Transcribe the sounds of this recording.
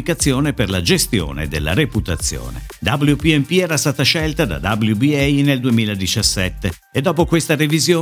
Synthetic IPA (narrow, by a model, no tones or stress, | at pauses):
ikat̪sːjoːneperlad͡ʒest̪jo̰ːnḛd̪elːa̰ɾeput̪at̪sːjo̰ːnḛd̪abljupiɛmpiɛːɾast̪aːt̪aʃɛlt̪ad̪a̰d̪abljubiɛjneld̪uemiːlad̪it͡ʃasːɛt̪ːeːd̪ːɔːpokwest̪aɾevizjoː